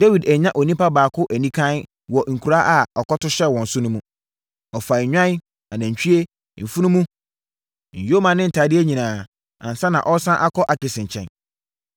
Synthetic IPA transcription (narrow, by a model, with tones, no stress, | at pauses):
dæ˦wi˨dæ˨ɲã˦ʔɔ˨nĩ˦pa˦baː˨kʰʊ˦ʔæ˨nĩ˦kʰã˦n | wɔ˨ŋ̩˨kʰu˨ɾa˦ʔa˨ɔ˨kɔ˦tʊ˦ɕɛ˦˨wɔ̃˨n̩˨sʊ˦nʊ̃˦mũ˦ | ɔ˨fa˨ɲᶣã˦n˦ | a˨nã˨ɲ̩˨t͡ɕʰᶣi˦e˦ | m̩˨fu˦nʊ̃˦mũ˦ | ɲ̩˨jo˦mã˨nɪ̃˦n̩˨tʰaː˨˦dɪ˦æ˦ɲĩ˨nãː˨ | ã̰˨n˨sã˦nã˨ʔɔ˦sã˦ʔa˦kʰɔ˦ʔa˨kɪ˨sɪ̃˨ɲ˨t͡ɕʰɛ̰̃˨n